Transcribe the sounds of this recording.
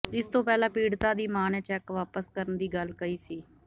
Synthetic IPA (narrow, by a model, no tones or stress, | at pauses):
ɪst̪õːpɛːlãːpiːɽt̪aːd̪iːmaːneːt͡ʃɛːkʋaːpəskəɾənd̪iːɡəlkəiːsiː